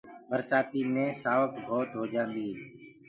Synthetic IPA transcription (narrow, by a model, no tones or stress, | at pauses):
bəɾsaːt̪iːnẽːsaːʋəkbʱoːt̪ɦoːd͡ʒãːnd̪iː